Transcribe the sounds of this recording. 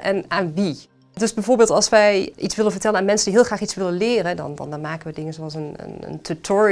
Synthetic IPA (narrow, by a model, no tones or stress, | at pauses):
ʔɛnaːnʋi | døsbɛjvoːɹbɪːlˠtɑlˠsʋɛjʔitsʋɪlənvəɹtɛlənaːnmɛnsəndiɦɪːlˠχraːχitsʋɪlənlɪːrədɑ̰nd̰ndɑnmaːkənʋədɪŋənzoɑlˠsənə̰nə̰ntʰutʰɔɹi